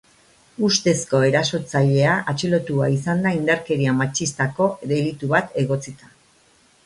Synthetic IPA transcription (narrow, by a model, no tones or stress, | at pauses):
ust̪e̞sko̞e̞ɾaso̞t͡saʎe̞aʔat͡ʃilo̞t̪uaisand̪aind̪aɾke̞ɾiamat͡ʃist̪ako̞ðe̞lit̪uβat̪e̞ɣo̞t͡sit̪a